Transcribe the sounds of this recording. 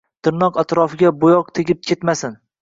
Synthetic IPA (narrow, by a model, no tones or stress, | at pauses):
t̪ʰɪɾnɒqat̪ɾɒfɪɡʲabʊjɒq̚t̪ʰeɡʲɪp̚kʲʰe̞t̪masɪn